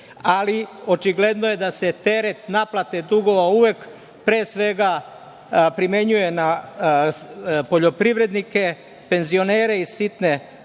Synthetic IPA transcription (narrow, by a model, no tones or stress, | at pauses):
alio̞t͡ʃiɡle̞d̪noje̞d̪ase̞t̪e̞ɾe̞t̪naplat̪e̞d̪uɡo̞ʋauʋek | pɾeːsʋe̞ɡa | pɾime̞ɲuje̞na | po̞ʎo̞pɾiʋɾe̞d̪nike̞ | pe̞nzio̞ne̞ːɾe̞isit̪ne̞